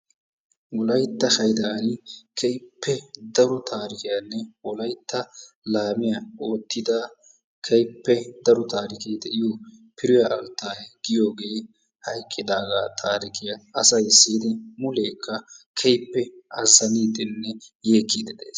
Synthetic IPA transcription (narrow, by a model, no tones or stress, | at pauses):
wɔlɐjt̪ːɐhɐjd̪aːnɪkʰɛjpːɛd̪ɐɾɔt̪ʰaːɾɪkɪjanːɛwɔlɐjt̪ʰːɐ | laːmɪjɐo̞ːt̪ːɪd̪a | kʰɛjpːɛd̪ɐɾɔt̪aːɾɪkijd̪ɛʔɪjopʰɪɾʊjɐʔɐlt̪ːaːjɡɪjo̞ːɡe̞ː | hɐjkʼːɪd̪aːɡat̪ʰaːɾɪkɪjɐɐsɐjɪsːiːd̪ɪmʊleːkʰːɐkʰɛjpːɛɐzːɐniːd̪ɪnːɛjeːkʰːid̪ɪd̪ḛːs